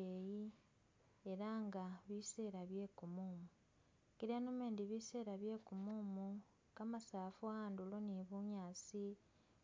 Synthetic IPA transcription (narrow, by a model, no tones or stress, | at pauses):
eji | eɾaŋɡaβise̞ːɾaβje̞ːkumuːmu | kiɾanomeːndiβise̞ːɾaβje̞ːkumuːmu | kamasaːfuaːnduloniβuɲaːt͡si